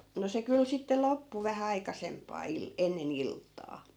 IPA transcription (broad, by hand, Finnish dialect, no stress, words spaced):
no se kyl sitːe lopːu ʋæhæ ɑikɑsempˑɑː il enːen iltːɑː